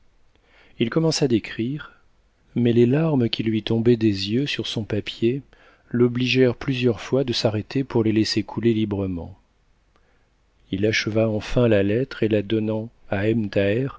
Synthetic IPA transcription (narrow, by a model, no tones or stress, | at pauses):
ilkɔmɑ̃sad̪ekχiʁ | mɛlelaʁməkʲilɥit̪ɔ̃bɛd̪ezjøsyʁsɔ̃papje | lɔbliʒɛʁplyzjœʁfwad̪əsaʁet̪ʰepuʁlelesekʰulelibʁəmɑ̰̃ | ilaʃəvaɑ̃fɛ̃lalɛt̪χelad̪ɔnɑ̃aɛmt̪aɛʁ